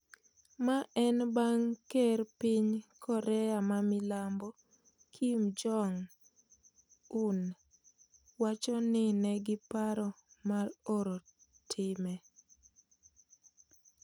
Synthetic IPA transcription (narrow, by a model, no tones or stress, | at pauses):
maʔɛnbaŋkɛrpɪɲkʰɔɾɛamamɪlambɔ | kʰimd͡ʒɔŋ | un | wat͡ʃɔnɪnɛɡɪpaɾɔ | maroɾo | tʰɪmɛ